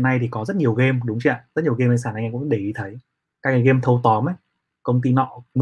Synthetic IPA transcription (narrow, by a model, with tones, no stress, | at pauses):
na˧jt̪ʰi˨˩kɔ˨˦zə˦˥t̚ɲi˨˩əwɣe˧mɗʊ˨˦ŋ͡mt͡ɕi˧˩a˧˨zə˦˥t̚ɲi˨˩əwɣe˧ma˧ŋsaː˧˩nʔŋʔŋkʊ̰˧˥ŋ͡mɗe˧˩i˨˧˦t̪ʰə˨˦j | kaː˦˥k̚ŋa˨˩ɣe˧mt̪ʰə˧wt̪ɔ˨˦mə˨˦j | kə˧wŋ͡mt̪̬i˧nɔ̰˧˨m